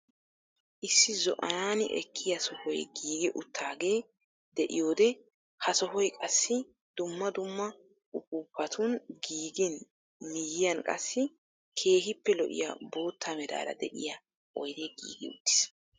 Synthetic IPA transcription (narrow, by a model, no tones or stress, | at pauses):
ʔɪsːɪzɔ̰ʔɐnaːnɪʔɛ̰kʰːɪjɐsɔhɔjɡiːɡɪʔʊt̪ʰːaːɡe̞ː | d̪ɛʔɪ̰jo̞ːd̪ɛ | hɐsɔhɔjkʼɐsːɪ | d̪̥ʊmːɐd̪ʊmːɐ | ʊkuːpʰːɐt̪ʰʊnɡiːɡɪn | mɪjɪjɐnkʼɐ̰sːɪ | kʰe̞ːɦɪpːɛlɔʔɪ̰ja̰bo̞ːt̪ʰːamɛd̪a̰ːɾɐ̰d̪ɛʔɪ̰ja | ʔɔjd̪eːɡḭːɡɪ̰ʊ̰t̪ːɪ̥s